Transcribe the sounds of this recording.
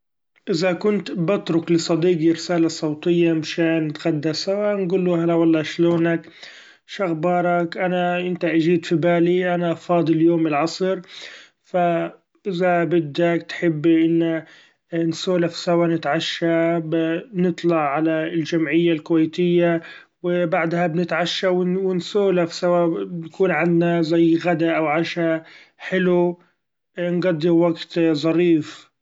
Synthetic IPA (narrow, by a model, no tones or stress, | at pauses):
ʔɪzakʊnt̪bɪt̪ɾʊklɪsˤɑd̪iːɡiɾɪsaːlasˤɑwt̪ˤɨjːamɪʃaːnt̪ɣad̪ːasawanɡuːlːuːhalawɑlˤːɑːʃloːnak | ʃaɣbɑːɾˤɑkʔanaʔɪnt̪aʔaʒiːd̪fibaːliʔanaʔɑfɑːd̪ˤɨljoːmɪlʕɑsˤɨɾ | fa | ʔɪzabɪd̪akt̪ħɪbːʔɪnːa | nsoːlafsawanɪt̪ʕaʃːabnɨt̪ˤlɑʕʕalald͡ʒamʕɪjːalkʊwajt̪ɪjːa | wɪbaʕd̪habnɪt̪ʕaʃːawɪwɪnsoːlafsawaːnkuːnʕand̪nazajːɣad̪aʔawʕaʃa | ħɪlu | nɡɑd̪ˤːiɾwaɡt̪zˤɑɾiːf